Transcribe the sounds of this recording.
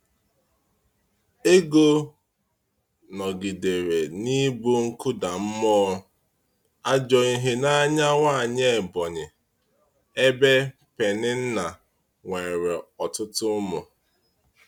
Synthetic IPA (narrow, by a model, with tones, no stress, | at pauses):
e˦ɡo˦ | nɔ˨ɡi˨de˨ɾe˨ni˦bu˦ŋ̩˦kʊ˦da˨m̩˦mɔː˦ | a˦d͡ʒɔ˨i˦ɦɪ˦na˦ɲa˦ŋa˦˨ɲe˦˨bɔ˨ɲɪ˨ | e˦be˦ | pe˨nɪ˦n̩˦na˨ | ŋʷe˨ɾe˨ɔ˨tʊ˦tʊ˦mʊ˨